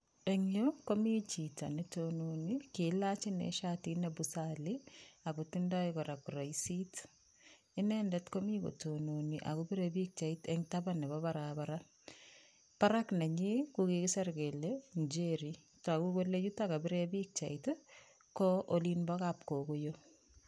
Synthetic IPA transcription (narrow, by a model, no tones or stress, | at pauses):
ɛŋɲokomit͡ʃita̰nɛtononikɪlat͡ʃinɛ̰ʃatinɛbusalɪakutindaikɔɾakuɾajsit | ɪnɛndɛtkomiko̰tononiʔa̰kubiɾebik̚t͡ʃaitɛŋtabanɛbɔβaɾabaɾa | paɾaknɛɲikukikɪsɛɾɡelend͡ʒeɾi | takukolet͡ʃutakabɪɾebik̚t͡ʃait | kɔʔolinbɔkap̚kokojo